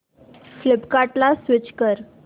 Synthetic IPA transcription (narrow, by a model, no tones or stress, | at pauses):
flɪpkaʈlasʋɪt͡ɕkəɾ